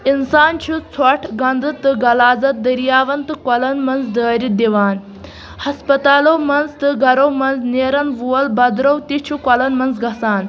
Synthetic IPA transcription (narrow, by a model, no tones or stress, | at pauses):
insaːnt͡ʃʰut͡sʰɔʈʰɡɐnd̪ɨt̪ɨɡɐlaːd͡zɐt̪̚d̪ɐɾijaːʋɐnt̪ɨkwɐlɐnmɐnzd̪əːɾid̪iʋaːn | hɐspɐt̪aːlowmɐnzt̪ɨɡʱɐɾowmɐnzneːɾɐnʋuɐlbɐd̪ɾɐwt̪it͡ʃʰukɐlɐnmɐnzɡɐsaːn